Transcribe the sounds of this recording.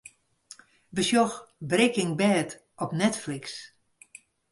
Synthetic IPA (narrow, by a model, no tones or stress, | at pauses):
bəsjɔxbrɪkɪŋbɛːt | ɔpnɛtfliks